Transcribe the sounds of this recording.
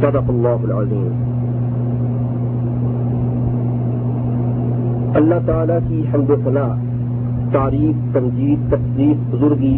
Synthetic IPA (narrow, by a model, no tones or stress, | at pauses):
sɐd̪əqɐlːaːɦʊlʕaziːm | ɐlːat̪aaːlakiɦəmd̪osɐnaː | t̪aːɾiːq̚t̪ɐmd͡ʒiːd̪̚t̪ɐqd̪iːfbʊzʊɾɡiː